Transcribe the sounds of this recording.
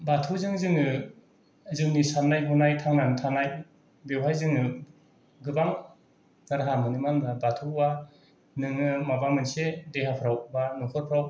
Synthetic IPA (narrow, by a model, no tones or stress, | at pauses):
batʰuzɯŋzɯŋɯ | zɯŋnisanajɦɔnajtʰaŋnanɯtʰanaj | bewɦajzɯŋɯ | ɡɯbaŋ | daɾɦamɯnɯmanbabatʰuwa | nɯŋɯmabamɯnsedeɦapʰɾawbanukʰɯɾpʰɾaw